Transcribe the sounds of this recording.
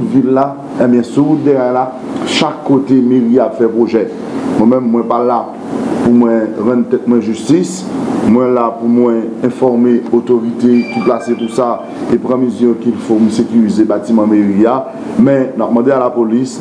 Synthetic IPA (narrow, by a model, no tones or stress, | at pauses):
tvilːa | ɛ̃bjɛ̃sud̪eɣajla | ʃakːot̪emeʁiapfɛpʁoʒɛ | mwɛ̃mɛ̃mːwɛ̃pala | pumwɛ̃ʁɑ̃nt̪ɛt̪̚mw̃ɛ̃ʒyst̪is | mwɛ̃lapumwɛ̃ɛ̃fɔʁmeot̪oʁit̪ekiplasetusa | epʁãmizjɔ̃kilfom̩sekyʁizebatimɑ̃meʁia | mɛ̃nap̚mɑ̃dealapolis